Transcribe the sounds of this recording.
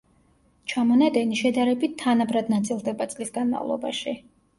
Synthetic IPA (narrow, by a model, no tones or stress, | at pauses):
t͡ʃʰamɔnad̪ɛniʃɛd̪aɾɛbit̪̚t̪ʰːanabɾad̪nat̪sʼilˠd̪ɛbat̪sʼlisɡanma̰vlˠɔ̰ba̰ʃi